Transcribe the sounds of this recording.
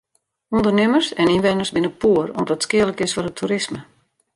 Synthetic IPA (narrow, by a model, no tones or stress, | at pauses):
undərnɪmərsɛninʋɛnərsbɪnəpʰuərɔmdɔtskɪələkɪsfɔrətʰuɾɪsmə